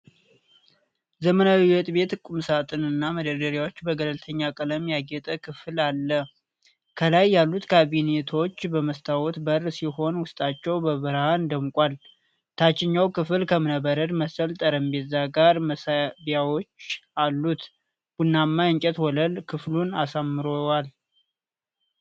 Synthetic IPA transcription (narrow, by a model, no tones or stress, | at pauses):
zəmənawiwɔt̪ʼbe̞t̪kʼumsat̪ʼɨnɨnːaməd̪əd̪əɾjawot͡ʃːbəɡələlt̪ʰəɲːakʼələmjaɡɛt̪ʼəkʰɨflalːə | kʰəlajːalːut̪kʰaβine̞t̪ʰo̞t͡ʃːbəməst̪ʰawɔt̪bərsiho̞nwʊst̪ʼat͡ʃːɛwbəβɨɾhand̪əmkʼal | t̪ʰat͡ʃːɪɲːawkʰɨfɨlkʰəmɨnəbəɾəd̪məsəlt̪ʼəɾəmbezaɡaɾməsabijawot͡ʃːalːut̪ | b̥unːamːajɨɲt͡ʃʼɛt̪wɔləlkʰɨflunasamːɨɾowal